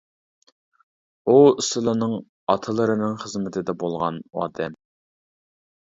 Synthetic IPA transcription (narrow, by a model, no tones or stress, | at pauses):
uisɨlˠɨnɨŋ | ɑt̪ʰɨlˠɨɾɨnɨŋχəzmɪt̪ʰɪd̪ɛbolˠʁɑ̰nɑ̰ːd̪ɛm